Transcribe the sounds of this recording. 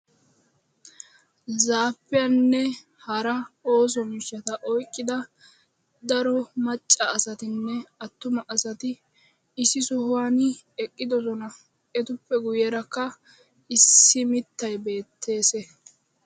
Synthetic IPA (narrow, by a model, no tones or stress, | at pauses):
zaːpːɪjɐnːɛ | hɐɾɐo̞ːs̬ɔmɪʃːɐt̪ɐʔɔjkʼːɪd̪ɐ | d̪ɐɾɔmɐt͡ʃʼːɐːsɐt̪ɪnːɛɐt̪ːʊmɐʔɐsɐt̪ɪː | sɪsʊhʊwaːnɛkʼːɪd̪ɔsɔnɐ | ɛt̪ʊpːɛɡʊjɛɾɐkːɐ | ɪsːɪmɪt̪ːɐjbe̞ːt̪ʰːe̞ːsɛ